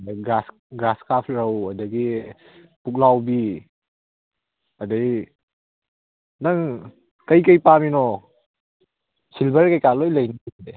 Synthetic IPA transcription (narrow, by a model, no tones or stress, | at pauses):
dɡɾas | ɡɾaskap̚ʰɾɐwɐdɐɡi | puk̚lawbi | ɐdaj | nɐŋ | kɐjkɐjpaminɔ | silbɐɾkajkalojlɐjnide